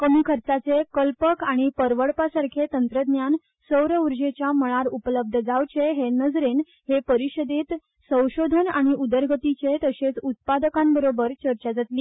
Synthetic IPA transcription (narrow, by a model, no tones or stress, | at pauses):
kəmiːkʰəɾt͡sat͡sekəlpəkaɽ̃ipəɾʋəɽpasaɾkʰet̪ənt̪ɾəd̪njan | səwɾəuɾd͡ʑet͡ɕjaməɭ̃aɾupələb̚d̪ʱəd͡zawt͡ɕeɦenəd͡zɾen | hepəɾiɕəd̪it̪ | sə̃w̃ɕod̪ʱənaɽ̃iud̪əɾɡət̪it͡ɕet̪əɕet͡sut̪̚pad̪əkãmbəɾobəɾt͡ɕəɾt͡ɕad͡zat̪liː